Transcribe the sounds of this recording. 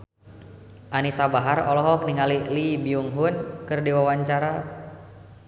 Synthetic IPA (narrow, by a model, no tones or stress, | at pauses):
ʔanisabaɦarɔ̰lɔɦɔk̚niŋalilibiuŋɦunkɨrdiwawaɲt͡ʃaɾa